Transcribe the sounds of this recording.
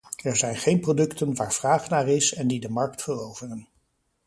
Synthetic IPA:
ɛɹzɛjnχejnprodɵktənʋaːɹv̥raːχnaːɹɪsɛndidəmɑɹktfərowvərən

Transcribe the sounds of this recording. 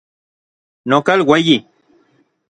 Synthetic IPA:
nɔ̃kalweji

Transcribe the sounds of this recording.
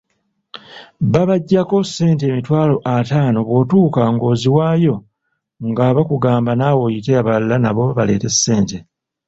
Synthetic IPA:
βaβaɟːako̞sːe̞ːnte̞ːmitwaːlo̞ʔataːno̞βwo̞ːtuːkaŋɡo̞ːziwaːjo̞ | ŋɡaːβakuɡaːmbanawo̞ːjiteaβalːanaβo̞βale̞̰ːte̞sːe̞ːnte

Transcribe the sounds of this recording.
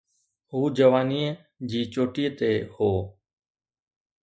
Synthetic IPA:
ɦuːd͡ʒəʋaːniː | d͡ʒiːt͡ʃoːʈiːt̪eːhoː

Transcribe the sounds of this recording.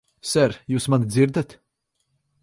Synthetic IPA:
sæɾjuːsmand̪ziɾd̪at̪

